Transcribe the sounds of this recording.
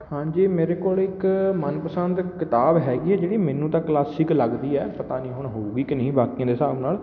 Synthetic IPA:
hãːɲd͡ʒiːmeːɾeːkoːlɪkmənpəsənd̪kɪt̪aːbɦɛːɡiːɛːd͡ʒeːɽiːmɛ̃ːnũːt̪ãːklaːsɪkləɡd̪iːɛːpət̪aːnĩːɦʊɳɦoːuːɡiːkɪnəĩːbaːkijãːd̪eːsaːbnaːl

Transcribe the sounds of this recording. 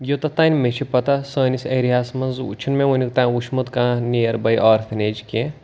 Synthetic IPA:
jot̪ɐt̪aːnʲmet͡ʃʰipɐt̪asəːnʲisɐɾiɦaːsmɐnzṵt͡ʃʰɐnmẽʋɐnʲikt̪ãːuʃmut̪kãːnʲijɐɾbɐjʔɔːɾfʰɐneːd͡ʒkʲẽ

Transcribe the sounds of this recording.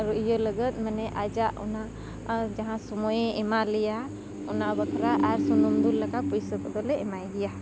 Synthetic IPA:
ɾɔʔijələɡət̪̚ˀmənɛʔad͡ʒaʔɔ̰na | d͡ʒaɦãsɔmɔjɛɛmalɛja | ɔnabəkʰɾaʔaɾsɔnumd̪ulləkapujsəkəd̪ɔlɛɛmajd̪ɛja

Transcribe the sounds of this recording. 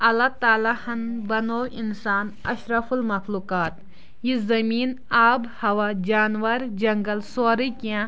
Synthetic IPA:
ɐlat̪aːlahɐnbɐnoːinsaːnɐ̰ʃɾɐfulmɐxluːkaːt̪ | jizɐmiːn | aːbhɐʋad͡ʒaːnʋɐɾd͡ʒɐŋɡɐlsoːɾikijã

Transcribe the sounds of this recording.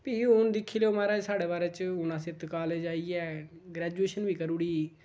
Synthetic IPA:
piːʊnd̪ɪkʰːiːleomaːɾaːsaːɽeːbaːɾɛːt͡ʃʊnãːsɪt̪kaːleːd͡ʒaːiːɛː | ɡɾɛːd͡ʒueːʃənʋiːkəɾuːɽiː

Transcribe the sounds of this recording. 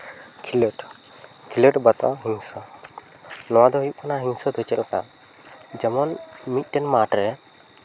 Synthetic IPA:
kʰiləʈ | kʰiləʈbat̪ɔ̰ɦiɲsɔ | nɔ̃wad̪ɔɦujuʔ̚kanaɦiɲsɔd̪ʱɔt͡ʃɛ̰lka̰ | d͡ʒɛmɔnmic̪̚ˀʈɛnmaʈɾɛ

